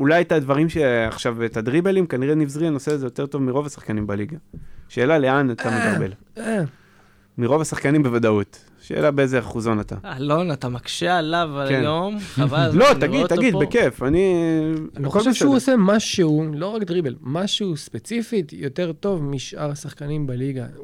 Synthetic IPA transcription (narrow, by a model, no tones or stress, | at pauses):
ulajt̪advaʁimʃe̞a̰χʃavet̪ad̪ʁibelimkaniʁenivzʁianoseazejote̞ʁto̞vmiʁo̞vasḁχkanimbaliɡaʃe̞ːlale̞anat̪ametabe̞l | e | miʁo̞vasaχkanimbevadaut̪ | ʃḛːlabeezeaχuzo̞nat̪a̰alonat̪amakʃealavakejomavalo̞t̪aɡid̪tːaɡid̪beke̞fani | loχolʃʃeuose̞maʃeulo̞ʁakd̪ʁibelmaʃuspet͡sifit̪jo̞t̪e̞ʁt̪o̞vmiʃʔaʁasaχkanimbaliɡa